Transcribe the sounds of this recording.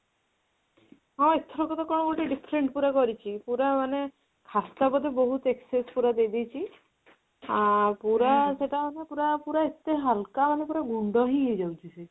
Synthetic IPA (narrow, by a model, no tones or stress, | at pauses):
ɦɔ̃ekt̪ʰɔɾɔkɔt̪ɔkɔ̃ɔbulʈiɖipʰɾeɳʈpuɾakɔɾit͡ʃʰipuɾamane | kʰast̪apɔd̪eboɦut̪eksespuɾad̪ejd̪ijt͡ʃʰi | apuɾaseʈamanepuɾapuɾaet̪eɦalkamanepuɾaɡuɳɖɔɦied͡ʒawt͡ʃʰise